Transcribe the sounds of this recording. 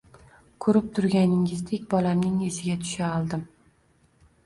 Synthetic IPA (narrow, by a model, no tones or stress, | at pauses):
kʰɵɾɪp̚t̪ʰʊɾɡʲanɪŋɪzd̪ekʲbɒlamnɪŋezɪɡʲat̪ʰʊ̥ʃaɒlˠd̪ɪm